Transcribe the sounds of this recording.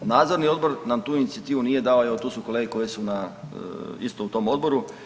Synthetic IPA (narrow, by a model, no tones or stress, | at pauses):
naːd̪zo̞ɾnio̞d̪̚bo̞ɾnamt̪uːinit̪siat̪iːʋunije̞d̪aːojeot̪uːsukole̞ːɡeko̞jesuna | ḭst̪out̪o̞mo̞d̪bo̞ɾu